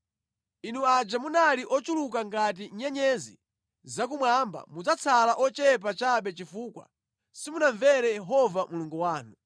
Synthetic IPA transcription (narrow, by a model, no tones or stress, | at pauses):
inuad͡ʒamunaliʔɔt͡ʃulukaŋɡat̬iɲɛɲɛzḭ | zak̬umwamba̰mud͡zat͡sʰalaʔɔt͡ʃɛp̬at͡ʃaɓɛt͡ʃifuːkwa̰ | simunaɱvɛɾɛjɛɦɔvamuluŋɡuwaːnu